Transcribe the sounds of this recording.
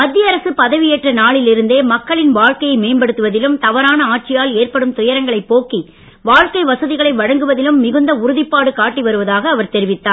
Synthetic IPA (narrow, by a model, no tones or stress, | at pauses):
mɐd̪ːɪjɐɾɐsɯpɐðɐʋɪjeːʈrɐnaːɭɪlɪɾɯnd̪eːmɐkːɐɭɪnʋaːɻkɐjɐɪmeːnbɐɽɯt̪ːɯʋɐðɪlɯmt̪ɐʋɐɾaːnɐaːʈ̚t͡ʃɪjaːleːɾpɐɽɯmt̪ʊjɐɾɐŋɡɐɭɐɪpːoːkːi | ʋaːɻkɐɪʋɐsɐðɪɣɐɭɐɪʋɐɻɐŋɡɯʋɐðɪlɯmːɪɣɯnd̪ɐʊɾʊðɪpːaːɽɯkaːʈːiʋɐɾɯʋɐðaːɣɐːʋɐɾt̪ɛɾɪʋɪt̪ːaːn